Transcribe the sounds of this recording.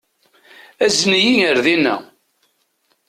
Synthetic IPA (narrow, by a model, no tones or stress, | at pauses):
æznijijəɾðinːæ̰